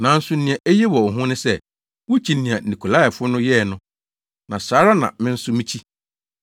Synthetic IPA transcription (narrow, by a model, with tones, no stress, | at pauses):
nã˨n̩˦sʊ˦nĩ˨ɛ̃˨ʔe˦jɛ˦wɔ˨ɔ˨ɦʊ̃˦nɪ̃˦sɛ˦˨ | wʊ˦t͡ɕʰi˨nĩ˨a˨nĩ˨kʰu˨la˦ɛ˨fʊ˦nʊ̃˦jɛ˦˨nʊ̃˦ | nã˨saː˨˦ɾa˦nã̰˨mɪ̃˦n̩˦sʊ˦mĩ˦t͡ɕʰi˦